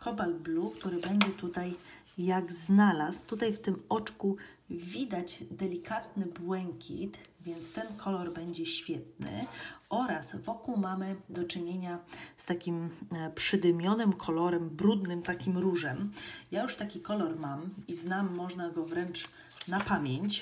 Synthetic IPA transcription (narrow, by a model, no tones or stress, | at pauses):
kʰɔbalblukt̪uɾɘbɛɲd͡ʑɛt̪ut̪ajː | aɡznalast̪ut̪ajft̪ɘmɔt͡ʂku | vʲid̪ad͡ʑd̪ɛlʲikʰat̪nɘbwɛŋkʲʰḭt̪vʲjɛnt̪st̪ɛnkʰɔlɔɾbɛɲd͡ʑɛɕfʲjɛt̪̚nɘ̰ɔɾasvɔkuwmamɘd̪ɔt͡ʂɘɲeɲast̪akʲimpʂɘd̪ɘmʲjɔnɘmkʰɔlɔɾɛmbɾud̪nɘmt̪akʲimɾuʐɛmjajuʂt̪akʲikɔlɔɾmamiznamːɔʐnaɡɔvɾɛnt͡ʂ | napamʲjeɲt͡ɕ